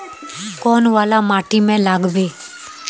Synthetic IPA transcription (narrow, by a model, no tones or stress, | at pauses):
kɔːnʋaːlaːmaːʈiːmẽlaːɡbeː